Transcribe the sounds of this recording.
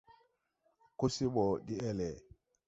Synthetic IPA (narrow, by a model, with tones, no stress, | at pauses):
ku˦si˦bɔ˨di˦ɛ˦lɛ˨